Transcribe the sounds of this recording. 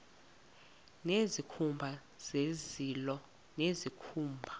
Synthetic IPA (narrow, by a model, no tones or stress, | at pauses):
nezikʰumbʱa | z̥ezilɔ | nezikʰuːmbʱa